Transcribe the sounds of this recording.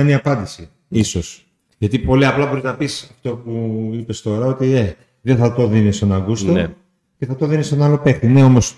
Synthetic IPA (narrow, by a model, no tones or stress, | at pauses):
ɐniɐpɐnd̪isi | iso̞s | ʝɐt̪ipo̞liɐplɐbo̞ɾiznɐpisɐft̪o̞puipe̞st̪o̞ɾɐo̞t̪ie | ðeθɐt̪oðinist̪onɐŋɡust̪o | ce̞θɐt̪oðinist̪onɐlo̞pe̞xθine̞o̞mo̞s